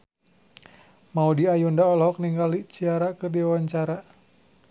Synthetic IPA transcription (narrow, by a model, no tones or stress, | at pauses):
maudiajundaɔlɦɔk̚niŋɡalit͡ʃiaɾakərdiawaɲt͡ʃaɾa